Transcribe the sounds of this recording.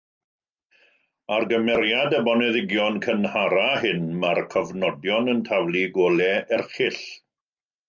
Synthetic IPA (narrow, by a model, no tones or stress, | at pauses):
arɡəmɛɾjadəbɔnɛðɪɡjɔnkʰənhaɾaɦɪnmarkʰɔvnɔdjɔnəntʰavlˠiɡoːlɛɛrχɪɬ